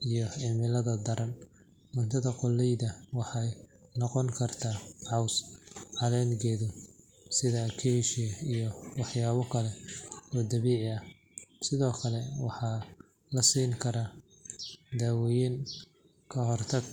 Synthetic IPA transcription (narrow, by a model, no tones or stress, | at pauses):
ʔijɔɪmɪlɐðɐd̪ɐɾɐn | mʊnt̪ʰɐðɐqʊlːɛjðɐwɑħɑjnɔqɔŋkʰɐrt̪ʰaːʕɑwsʕɑlɛːnɡɛːðʊ | sɪðɐkʰɛʃijɐijɔwɑħjaːβɔkʰɐlɛɔːd̪ɐβiːʕɪɐ | sɪðɔːkʰɐlɛwɑ̰ħɑː | lɐsiːŋkʰɐɾa | d̪awɔjin | kʰɐɦɔrt̪ʰɐɡ